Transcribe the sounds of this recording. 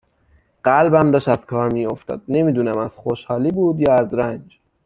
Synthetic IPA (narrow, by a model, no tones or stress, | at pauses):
ɢ̥ælbæmd̪ɒːʃt̪æzkʰɒːɾmiːo̞ft̪ɒ̰ːd̪̥̚ne̞miːd̪uːnæmæz̥xoʃhɒːliːbuːd̪jɒːæzɾænd͡ʒ